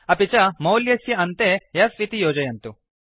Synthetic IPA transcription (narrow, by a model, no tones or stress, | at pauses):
ɐpit͡ʃɐmɐwljɐsjɐɐnt̪ejɐfʋit̪ijoːd͡ʒɐjɐnt̪u